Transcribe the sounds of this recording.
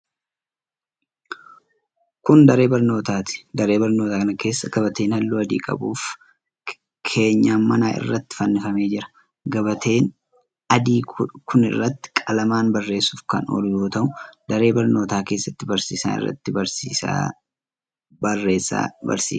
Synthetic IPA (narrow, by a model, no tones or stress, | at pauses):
kʊnd̪ɐɾe̞ːbɐɾno̞ːt̪aːt̪ɪ̥d̪ɐɾe̞ːbɐɾno̞ːt̪aːkɐnɐke̞ːsːɐɡɐbɐt̪e̞ːnhɐlːuːɐd̪ḭːkʼɐ̰buːf | kʰe̞ːɲːaːmɐnaːʔɪ̰rːɐt̪ːɪ̥fɐnːɪfɐme̞ːd͡ʒɪɾɐ̥ | ɡɐbɐt̪ʰe̞ːn | ɐd̪iːkʰʊnɪ̰rːɐt̪ːɪ̥kʼɐlɐmaːnbɐrːe̞ːsuːfkɐ̰nɔ̰lʊjoːt̪ɐʔʊd̪ɐɾe̞ːbɐɾno̞ːt̪aːke̞ːsːɐt̪ːɪbɐɾsiːsa̰ːɪ̰rːɐ̰t̪ːɪbɐɾsiːsa̰ː | bɐrːeːsa̰bɐ̰ɾsḭː